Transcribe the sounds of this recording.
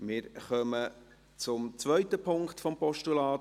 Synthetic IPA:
mɪːɾχœmə | t͡sʊmt͡sʋœʏt̪əpʰʊŋktfɔmpɔʃtulɑː

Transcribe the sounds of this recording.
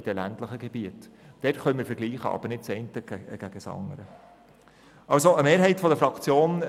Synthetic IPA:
id̥ɛlæntləχəɡ̥eb̥iətd̥ɛtχœmɪːɾfəɾɡliːχə̰ʔɑ̰b̥əɾnɪt̚t͡sɛɪntə̥æɡ̥æɡ̥əsɑ̰ŋəɾə | ɑlsoʔəmeːɾɦɛɪtfɔd̪əfɾɑkt͡sjoːn

